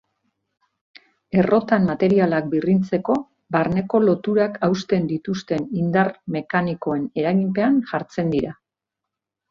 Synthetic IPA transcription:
e̞rʔo̞t̪ammat̪e̞ɾialak̚birint͡se̞ko̞ | baɾne̞ko̞lo̞t̪uɾakawst̪e̞nd̪it̪ust̪e̞nind̪arme̞kaniko̞e̞ne̞ɾaɣimpe̞anʝaɾt͡se̞nd̪iɾa

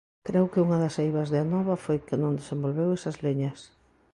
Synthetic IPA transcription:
kɾewkɪuŋɐðɐsejβɐzðeanɔβɐfojkɪnõŋd̪esẽmbolβewɛsɐzliɲɐs

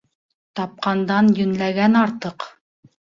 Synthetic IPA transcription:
t̪ɑp̚qɑnd̪ɑnjɵ̆nlæɡænɑɾt̪ɤq

